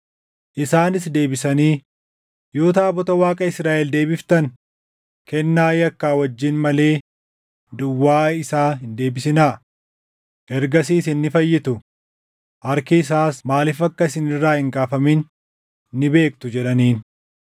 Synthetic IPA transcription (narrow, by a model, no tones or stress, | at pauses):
ʔɪsaːnɪsd̪e̞ːbɪsɐniː | jo̞ːt̪aːbɔt̪ɐwaːkʼɐɪsɾaːʔɛld̪e̞ːbɪft̪ɐn | kɛnːaːjɐkːaːwɐd͡ʒːɪnmɐle̞ː | d̪ʊwːaːɪsaːɦɪnd̪e̞ːbɪsɪnaː | ʔɛɾɡɐsiːsɪnːɪfɐjːɪt̪ʊ | ʔɐɾkɪːs̬aːsmaːlɪfɐkːɐɪsɪnɪrːaːhɪŋɡaːfɐmɪnː | ɪbe̞ːk̚t̪ʊd͡ʒɛᶑɐniːn